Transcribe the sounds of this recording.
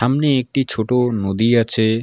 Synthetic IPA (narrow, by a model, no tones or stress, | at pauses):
amneek̚ʈit͡ɕʰoʈonod̪iat͡ɕʰe